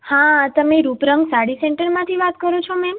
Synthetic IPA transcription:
hãt̪əmeɾupɾəŋɡsaɽisɛɳʈəɾmãt̪ʰiʋat̪kəɾot͡ʃʰomɛm

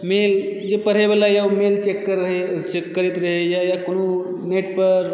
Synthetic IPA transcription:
meld͡ʒepəɽɦebelajamelt͡ʃekːəɾɦet͡ʃekːəɾit̪ɾəɦejajakonu | neʈ̚pəɾ

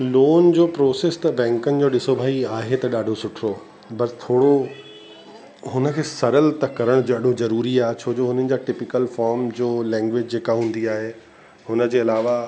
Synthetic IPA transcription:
loːnd͡ʑoːpɾoːseːst̪ɐbɛ̃ːŋkənɪ̆d͡ʑoːɗɪsobʱaːiaːɦet̪ɐɗaːɖʱosʊʈʰɾo | bɐst̪ʰoːɽo | ɦʊnəkʰeːsɐɾəlt̪ɐkɐɾəɽ̃d͡ʑoəɗ̤ʱozɐɾuːɾiaːɦet͡ɕʰoːd͡ʑoːɦʊn̤ənɪ̆d͡ʑaːʈɪpɪkəlfɔːɾmd͡ʑoːlɛ̃ːŋɡʋed͡ʑd͡ʑeːkaɦũːn̆d̪iaːɦe | ɦʊnə̆d͡ʑeːɐlaːʋa

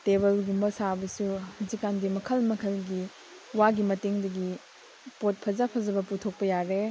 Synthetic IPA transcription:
tebɐlɡumbɐsabɐsuhɐzikːandimɐkʰɐlmɐkʰɐlɡi | waɡimɐteŋdɐɡi | pot̚pʰɐzapʰɐzɐbɐputʰok̚pɐjaɾe

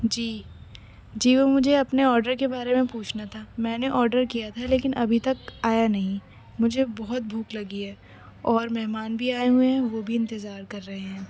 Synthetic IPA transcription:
d͡ʒiː | d͡ʒiːʋomʊd͡ʒʱeɐpneɔːɾɖəɾkebaːɾemẽpuːt͡ʃʰnat̪ʰaːmɛ̃ːneʔɔːɾɖəɾkijat̪ʰaleːkɪnʔɐbʱit̪ɐkaːjanɐɦĩ | mʊd͡ʒʱebɔɦʊt̪̚bʱuːklɐɡiɦɛː | ɔːɾmɛɦmaːnbʱiaːeɦueɦɛ̃ʋobʱiɪ̃nt̪ɪzaːɾkɐɾːɐɦeɦɛ̃ː

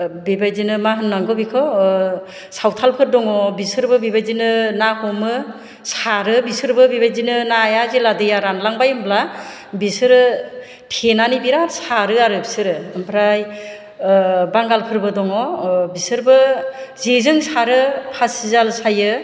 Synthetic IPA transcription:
bibajzinɯmaɦɯnːaŋɡɯbikʰɯ | sawtʰalpʰɯɾdɔŋɔbisɯɾbɯbibajzinɯnahɔmɯ | saɾɯbisɯɾbɯbibajzinɯnajazeladɯjaɾanlaŋbajɯmbla | bisɯɾɯ | tʰenanibiɾaɾsaɾɯaɾɯbsɯɾɯɯmpʰɾaj | baŋɡalpʰɯɾbɯdɔŋɔbisɯɾbɯzezɯŋsaɾɯpʰasizalsajɯ

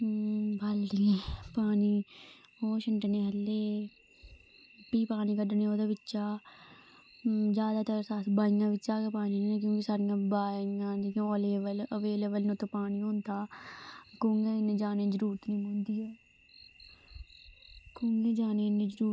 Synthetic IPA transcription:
bald̪iːpaːniː | oːʃəɳʈneːɦəlːeː | piːpaːniːkəɖneoːd̪aːbɪtːʃaː | d͡ʒjaːd̪aːt̪əɾsaːsbaːɪjãːʋɪtːʃaːkepaːniːnːnẽk̬jõːkɪsaːɾɪjãːbaːjãːd̪ijãːoleːʋələʋeːleːbəlnũːt̪epaːniːõːnt̪aː | kʊːŋɡeːɪnẽːd͡ʒaːnẽːd͡ʒəɾuːɾt̪nĩːmə̃nd̪iːɛː | kʊːŋɡeːd͡ʒaːneːɪnẽːd͡ʒəɾuː

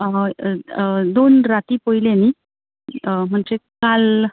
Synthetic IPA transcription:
d̪onɾat̪iːpoileniː | m̤əɳd͡ʑekal

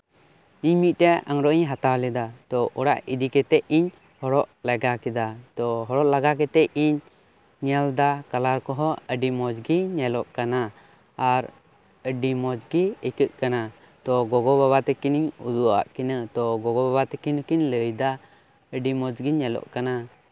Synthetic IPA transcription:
iɲmit̪̚ˀtɛa̰ŋɾɔʔiɲɦat̪awlɛd̪at̪ɔʔɔɽa̰ʔid̪ikɛt̪ɛʔiɲ | hɔɽɔʔlɛɡakɛd̪at̪ɔɦɔɾɔʔlaɡak̬ɛt̪ɛʔiɲː | ald̪akalaɾkɔɦɔəɖimɔd͡ʒɡiɲɛlɔʔkanaː | ɾ | əɖimɔd͡ʒɡiəkəʔ̪̚kana | t̪ɔɡɔɡɔbabat̪ɛkiniɲṵd̪ua̰ʔkinət̪ɔɡɔɡɔbabat̪ɛkinəkiɲləjd̪a | əɖimɔd͡ʒɡiɲɛlɔ̰ʔkana

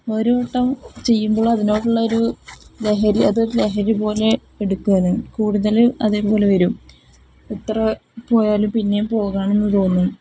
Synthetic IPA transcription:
o̞ɾuoʈːɐmt͡ɕe̞jːumbo̞ːɭɐðinoːʈːuɭːɐoɾule̞ɦɐɾiɐðɨle̞ɦɐɾipo̞ːle̞ | eɽukːuɐnukuːɽuðɐlɐðeːpo̞ːle̞ʋɐɾum | ut̪rɐpo̞ːjaːlumpinːe̞mpo̞ːɣaːɳe̞nːɨt̪o̞ːnːu

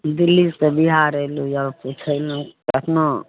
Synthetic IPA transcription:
d̪ilːikebiɦaɾəlujəput͡ʃʰəlũət̪ʰno

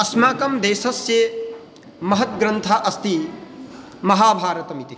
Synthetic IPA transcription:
ɐsmaːkɐmd̪eːsɐsje | mɐɦɐt̪ɡɾɐnt̪ʰaːʔɐst̪i | mɐɦaːbʱaːɾɐt̪ɐmit̪i

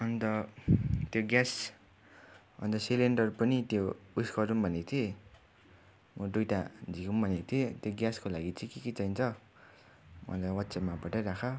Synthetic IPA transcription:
ʌnt̪ʌ | t̪joɡjas | ʌ̰nt̪ʌsileɳɖʌrpʌnit̪jouskʌɾumbʱʌnet̪ʰje | mʔʌdujʈad͡zʱikumbʱʌnekt̪ʰiet̪joɡjaskolaɡit͡sikikit͡sʌjnt͡sʰʌ | mʌ̰lajwʌtːsemapʌʈaɾakʰʌ

